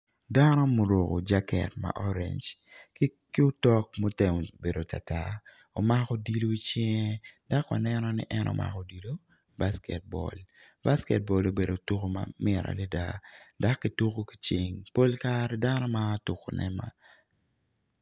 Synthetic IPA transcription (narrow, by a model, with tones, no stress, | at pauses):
da˦nɔ˦mo˨ɾo˨ko̰˨d͡ʒa˦kɛ̰˨tma̰˨ʔɔ˦ɾḛ˨ɲd͡ʒk | ki˦o˦tɔ˦k̚mo˦te˨ŋ˨be˨do˨ta̰˨ta˦ | o˨ma˦kɔ˦di˦lo˦i˦t͡ʃɪ˦ŋe˦da˦ka̰˨nɛnɔ˦nɪ̰˦ʔɛ˦nʔo̰˦mʔa̰˨kɔ˨di˨lo˦ | baskɛt̚bɔ̰˨l | ba˦skɛ˨t̚bɔ˨lo˨be˨do˨tu˦ko˦ma̰mɪɾʔa̰˨li˦da˦da˦kːi˨tu˦ko˦ki̥˨t͡ʃi˨ŋpo˦lkaɾda˦nɔ˦ma˦tu˨ko˨nɛ̰ma̰˨